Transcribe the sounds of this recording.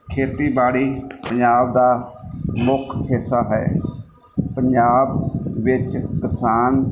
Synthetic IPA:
kʰeːt̪iːbaːɽiːpəɲd͡ʒaːb̚d̪aːmʊkʰhɪsːaːɦɛ̰ː | pəɲd͡ʒaːbʋɪt͡ʃkɪsaːn

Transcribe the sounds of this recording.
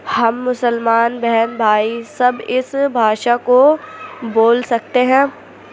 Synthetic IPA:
hɐmːʊsəlmaːnbɛɦɛnbʱaːisɐbɪsbʱaːʃakoboːlsɐk̚t̪eɦɛ̃ː

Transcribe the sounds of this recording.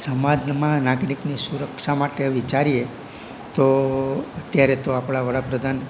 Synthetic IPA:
səmad̪nmãnaɡɾiknisuɾəkʃamaʈeʋit͡ʃaɾije | t̪oət̪jaɾet̪oapɽ̃aʋəɽapɾəd̪ʱan

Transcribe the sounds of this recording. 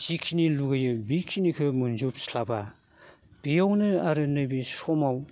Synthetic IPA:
zikʰːiniluɡajɯbikʰːinikʰɯmunzup̚slaba | b̥ijawnɯaɾɯnɯjbisɔmaw

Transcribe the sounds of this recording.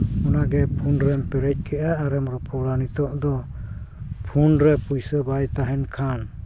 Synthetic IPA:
ɔnaɡɛpʰunɾɛmpɛɾɛc̚ˀkɛʔaːɾɛmɾɔpɔɽanit̪ɔʔd̪ɔ | pʰunɾɛpujsəbajt̪aɦɛnkʰan

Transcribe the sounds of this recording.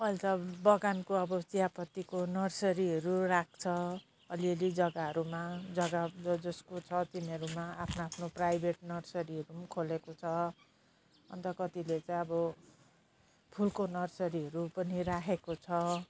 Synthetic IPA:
ʌlt̪ʌbʌɡankoʌbʌt͡sijapʌt̪ikonʌrsʌɾiʌɾurak̚ʰt͡sʰʌ | ʌliʌlid͡zʌɡaɦʌɾumad͡zʌɡaʌd͡zʌskot͡sʰʌt̪inʌɾumaapʰnaapʰnoprajbʱeʈnʌrsʌɾiɦʌɾumkʰolekot͡sʰʌ | ʌ̰nt̪ʌkʌt̪ilet͡saj̃ʌbʌ | pʰulkonʌrsʌɾiɦʌɾupʌniɾakʰekot͡sʰʌ

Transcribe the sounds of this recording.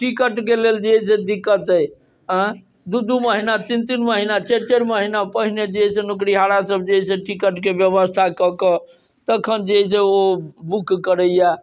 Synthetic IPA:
ʈikəʈkeleld͡ʒesed̪ikːət̪əj | ɦə̃ | d̪ud̪uməɦinat͡ʃint̪inməɦinat͡ʃet͡ʃeɾməɦinapəɦined͡ʒesenukɾiɦaɽasəb̚ʱd͡ʒeseʈikəʈkebjəβəst̪ʰakɔkə | t̪əkʰənd͡ʒes̬eobukːəɾəja

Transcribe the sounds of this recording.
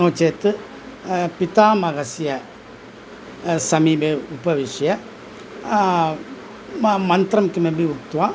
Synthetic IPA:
noːt͡ʃːeːt̪ːɯ | pit̪aːmɐɣɐsijɐ | sɐmiːbeupɐʋɪʂɐjɐ | mɐnt̪ɾɐmkɯmebiut̪ːuʋãː

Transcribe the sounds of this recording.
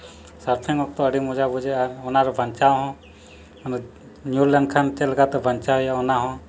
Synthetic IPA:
səɾt̪ʰɛŋɔk̚t̪ɔəɖimud͡ʒabʱud͡ʒɛaɾɔnaɾɔbʱənt͡ʃawɦɔ̃ | n | njuɾlɛnkʰant͡ʃɛlɛɡat̪ɛbʱənt͡ʃajaɔnaɦɔ̃

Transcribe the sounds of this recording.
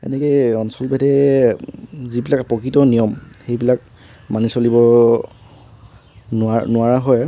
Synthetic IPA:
ɛ̰nɛkɔjɔnsɔlbɛdɛ | zibilakpɔkɹitɔnijɔmxejbilak̚ | manisolibɔ | nʊanʊaɹaɦɔj

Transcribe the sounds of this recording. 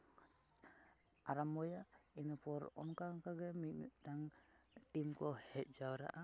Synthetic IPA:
aɾamɔjainɔpɔɾɔ̰nkaŋkaɡɛmimḭtaŋtimkɔhɛt̪̚d͡ʒawɾa̰ʔa

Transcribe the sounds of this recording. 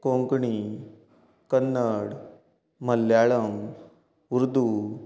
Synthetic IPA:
kõŋkɳi | kənːəɽː | əlːjaɭəm | uɾd̪u

